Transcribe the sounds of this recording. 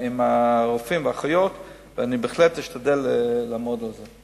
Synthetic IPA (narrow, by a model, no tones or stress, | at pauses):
imaʁofimveaχajo̞t̪ | veanibeːχlet̪jiʃtadeleːaːmo̞d̪alze